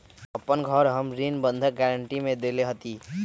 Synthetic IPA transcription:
ʌpːʌnɡʱʌɾɦʌmɾinbʌnd̪ʱʌk̚ɡaɾəɳʈimed̪eleɦʌt̪i

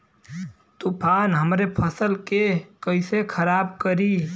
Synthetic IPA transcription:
t̪upʰaːnɦəmɾepʰəsəlkekəɪsekʰəɾaːb̚kəɾiː

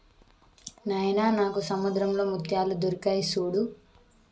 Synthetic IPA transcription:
nɐjnaːnaːkusɐmud̪ɾɐmlo̞ːmut̪jaːlud̪uɾikɐjsuːɽu

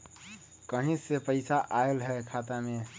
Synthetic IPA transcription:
kəɦĩsepəɪsaʔaelɦɛkʰaːt̪amẽ

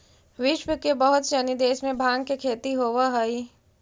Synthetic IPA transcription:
ʋɪʃwəkebɐɦʊt̪sənid̪eːʃmẽbʱãːɡ̚kekʰeːt̪iɦoːwaɦɐi

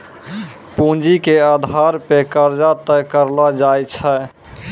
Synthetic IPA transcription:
pũnd͡ʒikead̪ʱaɾpekəɾd͡ʒat̪əkəɾlad͡ʒajt͡ʃʰɛ

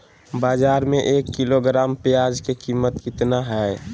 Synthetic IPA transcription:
baːd͡ʒaːɾmẽʔeːkːiloɡɾaːmpejaːd͡ʒkekiːmːət̪kɪt̪naɦɛ

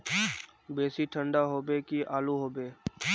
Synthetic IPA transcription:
beːsiʈʰə̃ɳɖaɦoːbeːkiʔaːluɦoːbeː

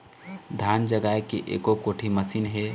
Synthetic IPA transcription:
d̪ʱjand͡ʒəɡaekeʔḛːkokoːʈʰiməsiːnɦe

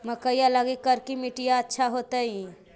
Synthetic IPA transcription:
məkəijalaɡikəɾkimiʈijaətːʃʰaɦot̪əĩ

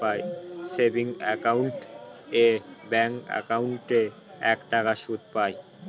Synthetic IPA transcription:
ajsebiŋɛ̰kawɳʈebɛŋa̰kawɳʈe | ɛkʈakaʃut̪̚paj

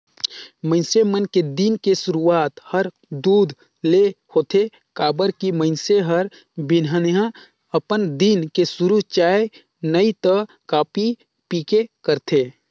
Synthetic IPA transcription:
mə̃ɪnsemənked̪inkesʊɾuaːt̪həɾ | d̪uːd̪ʱ | lehoːt̪ʰe | kaːbəɾkimə̃ɪnseɦəɾ | bɪnɦənjã | əpənd̪inkesʊɾuɦt͡ʃaːe | nəit̪ə | kaːpi | piːkekəɾt̪ʰeː

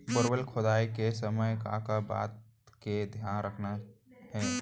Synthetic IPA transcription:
bəɾwəlkʰʊd̪aːikesəməjkã̰ːkaba̰ːt̪̚ | ked̪ʱjaːnɾəkʰnaɦɛː

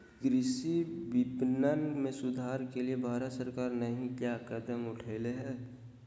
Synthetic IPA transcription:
ɡɾɪsibɪpnənmẽsʊd̪ʱaːɾkeliebʱaːɾət̪səɾkaːɾnəɦĩkjakəd̪əmʊʈʰeːleɦɛː

